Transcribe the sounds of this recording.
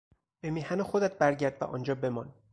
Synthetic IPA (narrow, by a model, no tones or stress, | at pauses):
b̥emiːhænexod̪æt̪̚bæɾɟæɾd̪væ̰ʔɒ̰ːnd͡ʒɒːbe̞mɒn